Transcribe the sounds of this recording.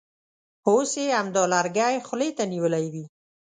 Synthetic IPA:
oseamd̪ɔlaɾɡajxʊlet̪aniwəlajwi

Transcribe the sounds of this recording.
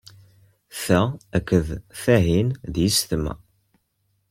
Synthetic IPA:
θæækːəðθæɦinðjist̪əmːæ̰

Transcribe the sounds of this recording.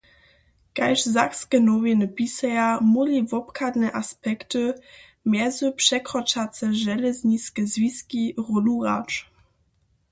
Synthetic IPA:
kajʂzakskɛnɔvʲɛnəpisɛjamulivɔpkʰad̪nɛʔaspɛktɨ | mjɛzupʂɛkɾɔt͡ʂat̪sɛʒɛlɛzɲiskɛzvʲiskʲiʁɔluʁa̰t͡ʂ

